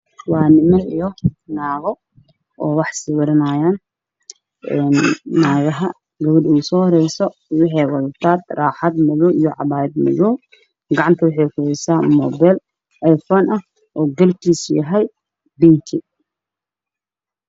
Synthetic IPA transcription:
wɑːnɪmɐijɔnaːɣɔ | ʔɔːwɑħsɪwɐɾɐnaːjaːn | ʔɛːnːaːɣɐɦɐ | ɡɐβɐɖuːsɔːhɔɾɛjsɔwɑħɛjwɐlt̪ʰaːd̪raːħɑd̪mɛðɔʔijɔʕɑ̰βaːjɪd̪mɛ̰ðɔw | ɡɑʕɑnt̪ʰɐwʊħɛjkʰʊɾɛjsaːmɔbɛl | ʔɐjfɔːnʔɐ | ʔɔːɡɐlkʰiːsjɐɦɛj | bɪŋkʰi

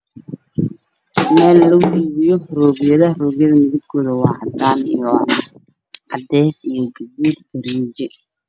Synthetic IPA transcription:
mɛːlːɔɣʊʔiːβɪjɔrɔːɣjɐðɐrɔːɣjɐðɐmɪðɪb̚kʰɔːðɐwɑhɑd̪aːnḭjɔn | ʔɑd̪ɛːsijɔɡɐd͡ʒiːd̪ɡɐɾid͡ʒɛ

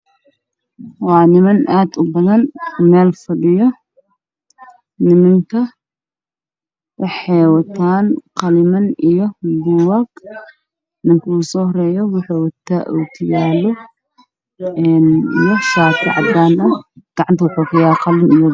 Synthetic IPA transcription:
wɑːnɪmɐnʔaːd̪ʊbɐðɐnmɛːlfɐɗɪjɔ | nɪmɪŋkʰɐ | wɑħɛːwɐt̪ʰaːnqɐlɪmɐnɪjɔduwaɡ | nɪŋkʰusɔhɾɛːjɔwʊħuwɐt̪ʰːaʔuːt̪ʰɪjaːlɔ | ɛnjɔsaːt̪ʰɐʕɑ̰d̪aːnɐɡ̥ɑʕant̪ʰɐwʊħukʰɐjaːqɐlɪnɪjɔ

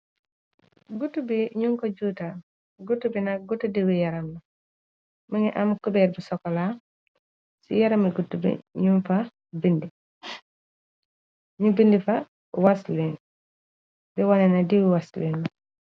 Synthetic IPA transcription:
ɡutubiɲuŋkɔɟuta | ɡutːubinaɡutudiwijaɾamnɐ | məŋiʔamkubɛːɾ̚busɔkːɔla | sḭjaɾamiɡutːubḭɲumfa | bindi | ɲubindifa | waslin | bɛwanɛnadiwiwasliːn

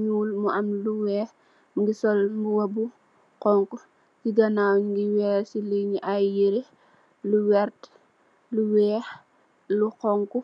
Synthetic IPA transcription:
ɲuːlmuamluwɛː | mŋɡisɔlmbuwɐbu | qɔŋku | ɡiɡɐnawɲŋɡiwɛːsiliɲiʔajiɾe | luwɛɾt | luwɛːx | lukɔŋku

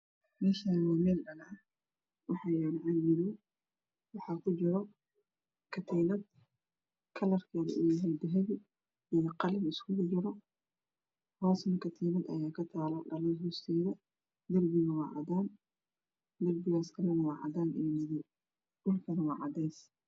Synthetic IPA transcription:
mɛːʃaːnwmɛːldɐlɐ | wɑħɑːjɛːnʕanmɪlɔ | wɑħɑːkʰʊd͡ʒɪɾɔ | kʰɐt̪ʰɛnɐd̪̚ | kʰɐlɐrkʰɛːðɐ̰ʔʊjɐɦɛjd̪ɐɦɛβi | ijɐqɑlɐnɪskʰʊɣd͡ʒɪɾɔ | hɔːsnɐkʰɐt̪ʰɛːnɐd̪ɐ̰jaːkʰɐt̪ʰaːlɔɖɐlɐnɦuːst̪ʰɛːðɐ | d̪ɐrbɪɣɐwɑːʕɑ̰ðaːn | d̪ɐrbɪɣaːskʰɐlɐnɐwɑːʕɑ̰daːnijnɪðɪ | d̥ʊlkʰɐnɐwɑ̰ːʕɑd̪ɛjs

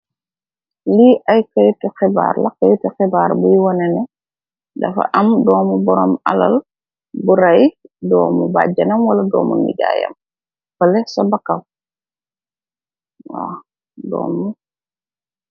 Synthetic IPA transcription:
liʔɐjkajtɛxɛba̰ːɾlɐkɐjtɛxɛbaːɾbujwɔnɛnɛ | dɐfɐ̰ʔɐmdɔːmubɔɾɔmala̰l | buɾajdɔːmubaɟɐnɐmwɐlɐdɔ̰ːmṵnḭɟa̰ːjɐ̰m | pɐlɛsabakaw | wa | dɔ̰ːmːu

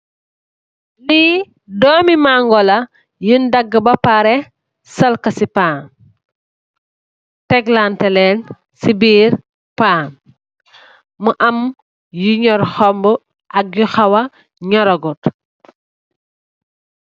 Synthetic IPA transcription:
li | dɔːmimaŋɡɔlɐ | jundɐɡːəbɐpaɾɛ | sɐlkɐsipaːn | tɛɡlantɛlɛn | sibiːɾ | paːn | uʔɐm | juɲɔɾxɔmbu | ʔɐk̚juxɐwɐ | ɲɔɾɐɡut

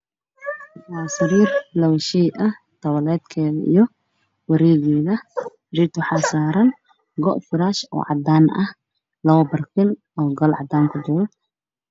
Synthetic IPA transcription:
waːsɐɾiːrlɐwʃɛjʔɐh | t̪ɐwɐlɛːd̪kʰɛːðɐḭjɔ | wɐɾɛːɣɛːðɐ | d͡ʒɪt̪ʰʊħaːsaːɾɐn | ɡɔ̰ʔfɪɾaːʃɔ̰ːʕɑd̪aːnɐh | lɐwɐbɐrkɪn | ɔːɡɐlʕɑd̪aːŋkʰʊd͡ʒʊɾɔ

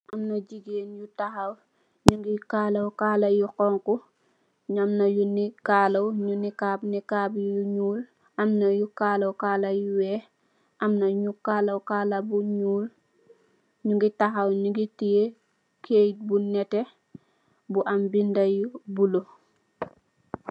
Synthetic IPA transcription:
ʔamnɐɟiɡeːnjutaxaw | ɲuŋɡikalɐwkaːlajukɔŋku | ɲamnɐjunikaːlɐwɲunːikaːbnikabjuɲuːl | ʔamnɐjukaːlɐwkalajuwɛː | ʔamnɐɲukaːlɐwkaːlabuɲuːl | ɲuŋɡitaxawɲuɡitije | kʰeːjt̚bunɛtɛ | buʔambindɐjubulo

